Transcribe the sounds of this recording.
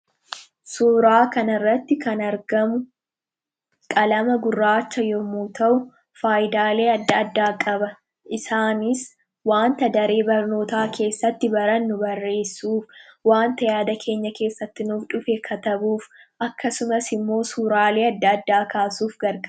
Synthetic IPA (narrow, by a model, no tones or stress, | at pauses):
suːɾaːkɐnɐrːɐt̪ːɪkɐnɐɾɡɐmʊ | kʼɐlɐmɐɡʊrːaːt͡ʃːɐjɔmuːt̪ɐʔʊ | faːjd̪aːle̞ːɐd̪ːɐɐd̪ːaːkʼɐbɐ | ʔɪsaːnɪs | waːnt̪ɐd̪ɐɾe̞ːbɐɾno̞ːt̪aːke̞ːsːɐt̪ːɪbɐɾɐnːʊbɐrːe̞ːsːuːfwaːnt̪ɐjaːd̪ɐkʰe̞ːɲːɐke̞ːsːɐt̪ːɪnʊfᶑʊfekʰɐt̪ɐbuːfʔɐkːɐsʊmɐsɪmːo̞ːsuːɾaːle̞ːɐd̪ːɐːd̪ːaːkaːsuːfɡɐɾkʼɐ